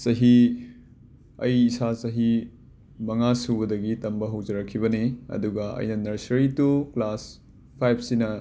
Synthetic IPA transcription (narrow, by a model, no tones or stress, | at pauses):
sɐɦi | ɐjːsasɐɦi | mɐŋasubɐdɐɡitɐmbɐɦɐwzɐɾɐkʰːibɐniɐ̰duɡɐɐ̰jnɐnɐɾsɐɾituklas | pʰajb̚ʰsinɐ